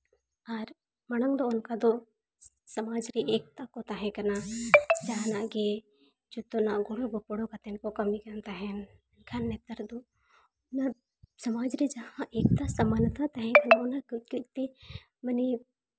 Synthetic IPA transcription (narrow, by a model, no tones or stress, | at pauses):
aɾ | mɐɽəŋd̪oʊnkad̪o | sɐmaːd͡ʒɾiʔeːk̚t̪akot̪aɦɛ̃kɐnad͡ʒaɦãnaɡe | d͡ʒot̪onaɡoɽoɡopːoɽokat̪enkokɐmikɐnt̪aɦɛ̃ | ɡʰʱanːet̪əɾd̪o | na | sɐmaːd͡ʒɾid͡ʒɐhãʔeːk̚t̪asɐməlt̪at̪aɦɛ̃kɐnaʊnakkit̪i | mɐni